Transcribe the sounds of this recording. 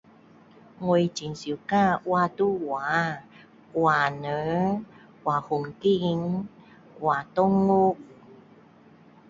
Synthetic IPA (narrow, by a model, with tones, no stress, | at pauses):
ŋwe˧jt͡ɕi˨˦nsi˨˦ka˥˧˨ʔwa˧t̪u˥˧˨wa˨˦ | kwa˨˩nə˨˦ | kwa˨˩hu˨˩ŋki˦˧ŋ | kwa˨˩t̪ɔ˦˧ŋːu˦k̚